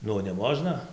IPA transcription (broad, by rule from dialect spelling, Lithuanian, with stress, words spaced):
ˈnʊ nʲɛˈmoːʒnɐ